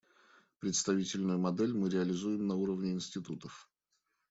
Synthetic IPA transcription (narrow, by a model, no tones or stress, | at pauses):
pɾʲɪt̪st̪ɐvʲitʲɪlʲnʊjʊmɐd̪ɛlʲmɨɾʲɪɐlʲɪzujɪmnɐuɾəvnʲɪɪnsʲtʲɪt̪ut̪əf